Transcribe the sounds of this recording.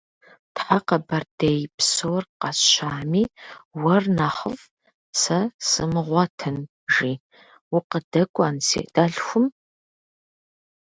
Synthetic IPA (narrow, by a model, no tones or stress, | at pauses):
tħaqɐbɐrdejpsowrqɑɕaːmiːwɐrnaːχəv | sɐsɨmɨʁʷɑtʰɨn | ʒiː | wʊqədɐkʷʼansḭːd̥aːɮxʷʊm